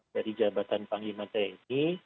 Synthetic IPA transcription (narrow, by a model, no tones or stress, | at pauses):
daɾid͡ʒabat̪anpaŋimat̪aini